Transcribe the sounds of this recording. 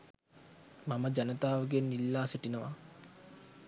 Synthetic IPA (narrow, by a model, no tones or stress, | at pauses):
maməd͡ʒanət̪aːʋəɡenːilːaːsiʈinəʋa̰